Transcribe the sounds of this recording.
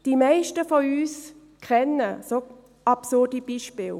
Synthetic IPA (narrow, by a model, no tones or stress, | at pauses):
d̥imaɪʃtəfɔyːs | kʰʁɛnəso | ʔɑbsʊʁdib̥iːʃpɪːl